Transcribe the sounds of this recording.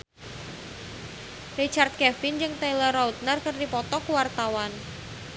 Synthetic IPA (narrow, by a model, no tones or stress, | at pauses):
rit͡ʃart̪̚kɛfɪnd͡ʒɨŋt̪ajlərɔut̪̚nərkɨrdipɔt̪ɔkwart̪awan